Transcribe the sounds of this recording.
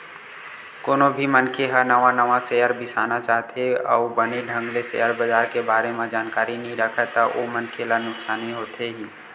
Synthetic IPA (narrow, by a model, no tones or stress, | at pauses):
koːnobʱimənkʰeɦənəʋãnəʋãsejəɾbɪsa̰ːnat͡ʃaːɦt̪eɔ̰ubəneɖʱə̃ŋɡlesḛjəɾbəd͡ʒaːɾkebaːɾemẽd͡ʒaːnkaːɾinəɦĩɾəkʰət̪aʔomənkʰelanʊksaːniɦoːt̪ʰeɦiː